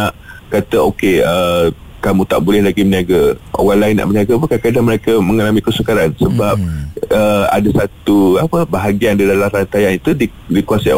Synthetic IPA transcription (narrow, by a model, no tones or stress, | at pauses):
aʔkat̪əokeə | kamũt̪a̰ʔbulɛhlaɡiməniaɡəʔo̰ɣaŋlaɪnːa̰ʔməniaɡəpukakadaməɾekəmə̃ŋalamĩkəsəkaɾansəbap̚əa̰dasat̪uapəbaɦaɡiandidalaɾant̪ajanit̪udi | dikuasa